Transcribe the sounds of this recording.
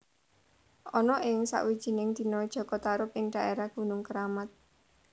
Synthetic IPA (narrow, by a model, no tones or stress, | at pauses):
ʔɔnɔʔɪŋsa̰ʔwid̥ʒ̥i̤nɪŋd̪̥i̤nɔd̥ʒ̥ɔ̤kɔt̪aɾʊp̚ɪŋɖ̥a̤ʔeɾahɡ̥ṳnʊŋkəɾamat̪̚